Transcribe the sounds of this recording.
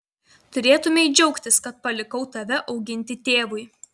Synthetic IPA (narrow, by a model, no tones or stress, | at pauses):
t̪ʊɾʲeːt̪ʊmʲeɪd͡ʒʲɛʊkt̪ʲɪskɐt̪̚pɐlʲɪkɒʊt̪ɐʋʲɛʔɒʊɡʲɪnʲt̪ʲɪt̪ʲeːʋʊɪ